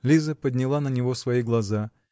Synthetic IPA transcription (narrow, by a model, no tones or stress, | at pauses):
lʲizəpədʲnʲɪlˠanənʲɪvosvɐiɡlˠɐza